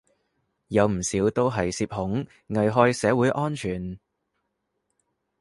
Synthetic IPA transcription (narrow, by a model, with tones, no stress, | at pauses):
jɐ˨˧wm̩˨˩siː˨˥wt̪o˥wɦɐ˨jsiː˧p̚hʊ˨˥ŋ | ŋɐ˨jɦɔː˥jsɛː˨˥wuː˨˥jʔɔː˥nt͡ʃʰyː˨˩n